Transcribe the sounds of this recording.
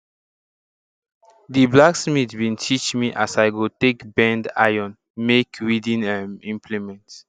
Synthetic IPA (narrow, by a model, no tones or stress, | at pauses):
diblaksmitbĩntʰit͡ʃmiʔasaɪɡotekbɛ̃nda̰jɔ̃n | mekɹidĩnɛmĩmpʰlimɛ̃nts